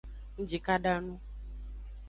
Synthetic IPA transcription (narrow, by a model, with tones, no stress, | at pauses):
ŋ̩̃˦d͡ʒi˨ka˦ɖa˦nũ˦